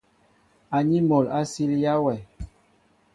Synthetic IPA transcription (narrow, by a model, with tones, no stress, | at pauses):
a˨ɲi˦mɔ˨la˦si˦lja˦wɛ˨